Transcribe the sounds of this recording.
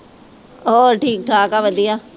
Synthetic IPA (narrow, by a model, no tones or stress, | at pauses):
ɔːɾʈʰiːk̚t̪ʰaːkaʋɐd̪ija